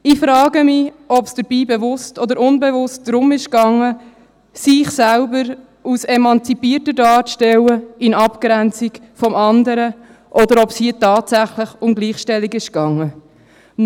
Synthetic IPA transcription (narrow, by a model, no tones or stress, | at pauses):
ifɾɑːɡəmɪ | ɔpsd̥əɾbiːbɛvʊstɔdəɾʊnbɛvʊst̚d̥ɾʊmɪʃkɑŋːə | sɪχsælbəɾ | usɛmɑnt͡sipiːrtədɑːʃtɛləɪnɑpkɾænt͡sik | fɔmɑnd̪əɾə | ʔɔd̪əɾɔpshiːətɑːtsæχləχʊmɡliːχʃtɛlːikɪʃkɑŋːə